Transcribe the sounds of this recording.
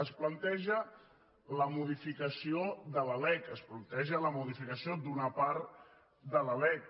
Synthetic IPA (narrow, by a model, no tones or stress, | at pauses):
əsplənt̪ɛʒə | ləmuð̞ifikəsioðələlɛkəsplənt̪ɛʒələmuðifikəsiod̪unəpaɾ | d̪ələlɛk